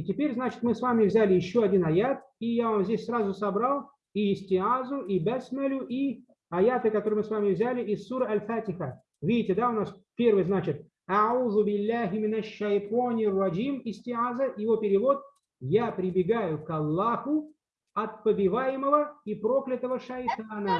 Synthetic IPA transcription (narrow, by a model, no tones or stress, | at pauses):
tʲɪpʲeɾʲznat͡ɕɪ̥t̪mɨsvamʲɪvzʲælʲɪjɪɕːo̞ɐdʲinɐjat̪̚ | ijavamzʲdʲesʲsrazʊsɐbralˠ | iɪsʲtʲɪʕazʊibasʲmɐlʲʊʔi | ɐjat̪ɨkɐt̪o̞ɾɨjmɨsvamʲɪvzʲælʲɪʔɪsːuɾəɐlʲfætʲɪxə | vʲidʲɪtʲɪd̪aʊnaspʲe̞rvɨjznat͡ɕɪt̪̚ | aʕuðʊbʲɪlːaɦʲɪmʲɪnɐʃːɐjt̪onʲɪrːɑd͡ʒimɪsʲtʲɪʕazəjɪvo̞pʲɪɾʲɪvo̞t̪̚ | japɾʲɪbʲɪɡajʊkɐlˠːaxʊ | ɐt̪̚pəbʲɪvajɪməvəipɾo̞klʲɪt̪əvəʂɐjt̪anə